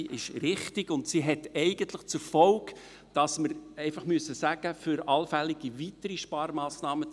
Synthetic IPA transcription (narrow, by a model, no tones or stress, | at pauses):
ʔɪʃrɪχtɪɡʊntsiɦɛtɛɪɡəntləχt͡sʊfɔlk | d̥ɑsməɾɛɪfɑχmyəsːəsæɡ̥əfʏɾɑlfæliɡ̥ivitəɾiʃpɑɾmɑːsnɑːmə